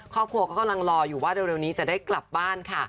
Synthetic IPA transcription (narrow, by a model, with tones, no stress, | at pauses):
kʰɔː˥˩p̚kʰu˧əkɔː˥˩ka˧mla˧ŋɾɔː˧juː˨˩waː˥˩de˧wɾeː˧wniː˦˥t͡ɕa˨˩daː˥˩jkla˨˩p̚baː˥˩nkʰa˥˩